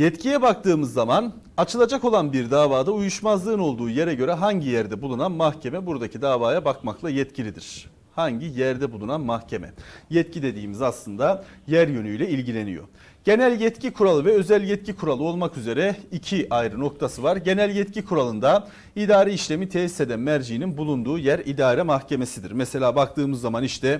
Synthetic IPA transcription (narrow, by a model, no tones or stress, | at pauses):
jɛt̪cʰijɛbak̚t̪ɯːmɯzːaman | at͡ʃʰɯlˠad͡ʒako̞lˠanbiɾd̪aːvaːd̪aujuʃmazlˠɯːno̞lˠd̪uːje̞ɾɛɟø̞ɾɛɦaɲɟijæɾd̪ɛbulˠunanmaxcʰe̞mɛbuɾd̪acʰid̪aːvaːjabakmaklˠajɛt̪cʰilʲid̪ḭɾ̥ | haɲɟijæɾd̪ɛbulˠunanmahcʰe̞mɛ̰jɛt̪cʰid̪e̞d̪iːmizaslˠɯnd̪ajæɾjø̞nyjlʲɛilʲɟilʲe̞nijo̰ | ɟ̥e̞nælʲjɛt̪cikʰuɾalˠɯvɛø̞zælʲjɛt̪̚cikʰuɾalˠɯo̞lˠmakyze̞ɾɛicʰiʔajɾɯno̞k̚t̪ʰasɯvaɾɟe̞nælʲjɛt̪cʰikʰuɾalˠɯnd̪a | id̪aːɾeiʃlʲe̞mit̪ʰeːise̞d̪ænmæɾd͡ʒijninbulˠund̪uːjæɾid̪aːɾɛmaxcʰe̞me̞sid̪iɾmɛse̞lʲaːbak̚t̪ɯːmɯzːamaniʃt̪ʰɛ